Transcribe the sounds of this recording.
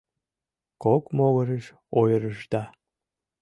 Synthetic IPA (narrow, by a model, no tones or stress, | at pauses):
kokmoɣəɾə̆ʃ | ojɾə̆ʃd̪ɑ